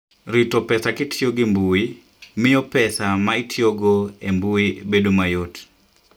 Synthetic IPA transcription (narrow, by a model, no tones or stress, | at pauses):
ɾitopɛsakɪtʰjoɡɪmbui | mɪopɛsamaitʰjoɡoembuibedomajot